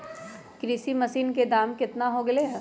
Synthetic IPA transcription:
kɾiːsimɐsiːnked̪aːmkɪt̪naɦoɡɐleɦɛː

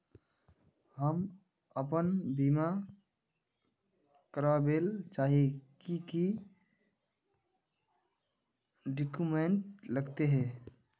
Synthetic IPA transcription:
ɦəm | əpənbima | kəɾəbelt͡ʃaɦikiki | ɖikumeɳʈləɡt̪eɦɛ̃

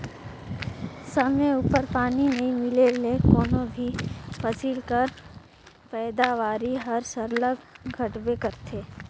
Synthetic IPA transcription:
səmeupəɾpaːninẽĩmɪlelekoːnõbʱipʰəsilkəɾ | pɛːd̪aʋaːɾiɦəɾsəɾləɡɡʱɐʈbekəɾt̪ʰeː

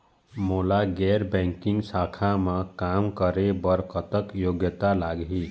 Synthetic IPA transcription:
molaɡɛɾbɛ̃ŋkiŋɡsakʰamãkamkəɾebʌɾkət̪əkjoɡjət̪alaɡɦi

